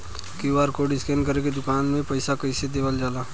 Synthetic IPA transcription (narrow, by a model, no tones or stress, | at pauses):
kiuwaːɾkoɖɪskɛ̃nɖkəɾeɡed̪ʊkaːnmẽpɐɪsakɐɪsed̪eːʋəld͡ʒaːlaː